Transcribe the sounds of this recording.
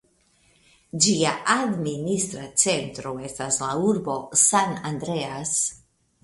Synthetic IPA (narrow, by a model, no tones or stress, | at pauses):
d͡ʒiaʔadministɾat͡se̞ntɾo̞e̞staslauɾbo̞sanandɾe̞as